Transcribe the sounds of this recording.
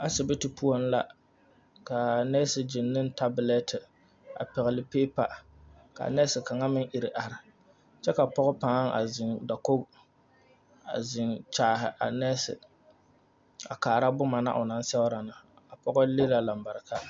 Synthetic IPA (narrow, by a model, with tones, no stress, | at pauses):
a˦sɪ˨bɨ˦ti˨pu˦o˦n˦la̰˨ | ka˨nɛ˦sɪ˨d͡ʒɪ˨nːɨ˦nta˦bɪ˨lɛ˦tɪ˨ | a̰˨pɪ˨ɣɪ˨lɨ˦pe˦pa̰˨ | ka̰˨nɛ˦sɪ˨ka˨ŋa˦mɪ˦ŋʔɪ˨ɾɪ˨ʔa˨ɾɪ˨ | t͡ʃɛ˦ka˨pɔ˦ɣɔ˦pa˨˦ŋʔa̰˨zɪ˨ŋda˨ko˦ | a˨zɪ˨ŋt͡ʃaː˦ɦɪ̰˨ʔa̰˨nɛː˦sɪ̰˨ | a˨kaː˨ɾa˦bʊ˦ma˨na̰˦ʔʊ˨na˦n˦sɛ˦wʊ˦ɾa˨nɨ˨ | a˨pɔ˦ɡɔ˦le˦la˨la˨m˨ba˨ɾɨ˨ka˦